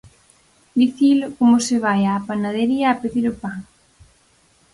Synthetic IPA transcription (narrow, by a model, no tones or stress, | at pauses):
d̪iθilʊkomʊseβajaːpanaðeɾiaːpeðiɾʊpaŋ